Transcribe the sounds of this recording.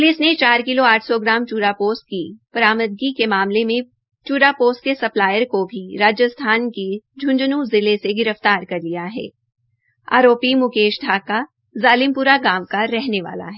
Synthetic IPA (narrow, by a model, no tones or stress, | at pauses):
pʊlɪsnet͡ʃaːɾkɪloaːʈʰsɔɡɾaːmt͡ʃuːɾapoːsʈ̚kipɐɾaːməd̪̚ɡikemaːmlemẽ | t͡ʃuːɾapoːsʈ̚kesɐplaːjəɾkobʱiɾaːd͡ʒjəst̪ʰaːnked͡ʒʱʊ̃nd͡ʒnũzɪleseɡɪɾəft̪aːɾkɐɾlijaɦɛ̰ː | a̰ːɾoːpimʊkeːʃɖʱaːka | zaːlɪmpuːɾaɡaːmkaɾɛɦneʋa̰ːla̰ɦɛː